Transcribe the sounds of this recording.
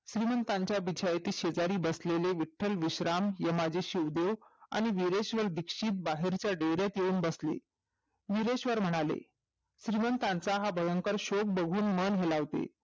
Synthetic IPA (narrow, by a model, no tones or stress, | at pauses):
ɕɾimənt̪ãɲt͡ɕjabid͡ʑʱajt̪iːɕed͡zaɾiːbəsleleʋiʈʰːəlʋiɕɾamjəmad͡ʑeɕiud̪eʋa̰ɽ̃iʋiɾeɕʋəɾd̪ikʂiːt̪̚baɦeɾt͡ɕjaɖeɾjat̪jeuːnbəslḛ | ʋiɾeɕʋəɾm̤əɽ̃alḛ | ɕɾimənt̪ãnt͡saɦabʱəjəŋkəɾɕok̚bəɡʱuːnmənɦelaʋt̪ḛ